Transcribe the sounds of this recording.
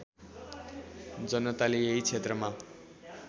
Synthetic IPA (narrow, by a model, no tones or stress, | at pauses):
d͡zʌnːʌt̪aleeɦit͡sʰet̪rʌma